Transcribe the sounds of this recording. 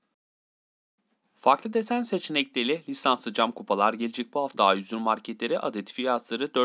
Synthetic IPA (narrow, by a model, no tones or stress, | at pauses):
faɾklˠɯd̪e̞sænse̞t͡ʃʰenɛcʲlʲelʲɛlʲisansɯd͡ʒamkʰupʰalˠaɾɟe̞lʲed͡ʒɛc̚buɦaft̪ʰajyzyɾmaɾcʰet̪lʲeɾiʔad̪et̪ʰi̥fijat̪ʰlˠaɾɯd̪ø